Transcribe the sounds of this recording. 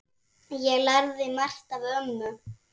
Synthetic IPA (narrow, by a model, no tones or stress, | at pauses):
jɛɣlaɾðɪmar̥t̪aðœmːʏ